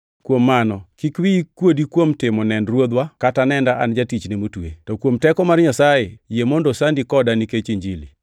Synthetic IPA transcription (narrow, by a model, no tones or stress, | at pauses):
kwomːanɔkikwikwodikwomtɪmɔnɛndɾwod̪wakatanɛndaʔand͡ʒatit͡ʃnemotwetɔkwomtɛkɔmarɲasajejemɔndɔsandikɔdaniket͡ʃeɲd͡ʒilḭ